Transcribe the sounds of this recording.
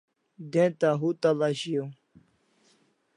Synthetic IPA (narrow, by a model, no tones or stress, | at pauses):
d̪ẽt̪aɦut̪alaɕijõ